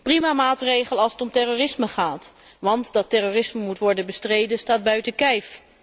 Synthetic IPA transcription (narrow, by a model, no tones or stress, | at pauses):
primaːmaːtrejχəlɑlˠsətɔmtɛroːrɪsməχaːt | ʋɑntdɑtɛroːrɪsməmutʋɔɹdənbəstrejdənstaːd̚bœɥtəkɛjf